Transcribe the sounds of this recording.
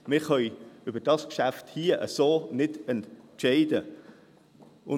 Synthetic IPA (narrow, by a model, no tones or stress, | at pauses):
mɪχœʏʏbəd̥ɑskʃæfthiːəʔə̰soːnɪdɛnʃɛɪdə | ʊ